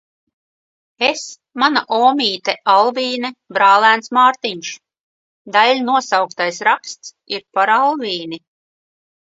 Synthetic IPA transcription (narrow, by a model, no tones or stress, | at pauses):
es | manaʔɔːmʲiːt̪ɛʔalˠviːnɛbɾaːlˠæːnsmaːɾt̪iɲʃ | d̪alʲnuɔsawkt̪ajsɾakst̪s | iɾpaɾalˠviːni